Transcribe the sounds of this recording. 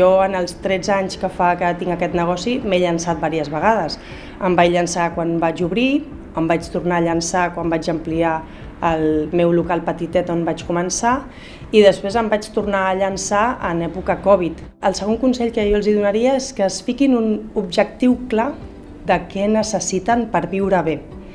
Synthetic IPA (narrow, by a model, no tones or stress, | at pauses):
ɔənəlˠst̪ɾɛd͡zaɲskəfakət̪iŋɡəkɛt̪nəɣ̞ɔsimeʎənsat̪̚baɾiəzβəɣ̞aðəs | əmbajʎənsakwanbad͡ʒuβɾi | əmbat͡ʃt̪urnaːʎənsakwambad͡ʒəmplia | əlmɛwlukalˠpət̪it̪ɛt̪ombat͡ʃkumənsa | iðəspɾezəmbat͡ʃt̪urnaəʎənsaənɛpukəkɔβ̞it̪ | əlˠsəɣ̞oŋkunsɛʎkəjɔlˠziðunəɾiəeskəːsfikinunubʒək̚t̪iwkla | d̪əkɛnəsəsit̪əmpəɾβiwɾəβe